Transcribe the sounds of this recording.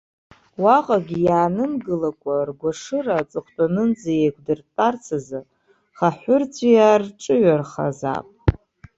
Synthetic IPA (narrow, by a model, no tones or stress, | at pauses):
waqʼaɡʲijaːnɨmɡɨlakʷʼarɡʷaʂɨrat͡sʼɨχʷtʼanɨnd͡zajejkʷʰʼdɨrtʼart͡sʰazɨ | χaħʷʊrt͡sʷʰʼijarʈ͡ʂʼɨɥarχa̰za̰pʼ